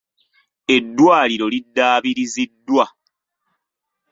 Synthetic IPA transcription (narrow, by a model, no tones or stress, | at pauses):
e̞dːwaːliɾo̞lidːaːβiɾizidːwa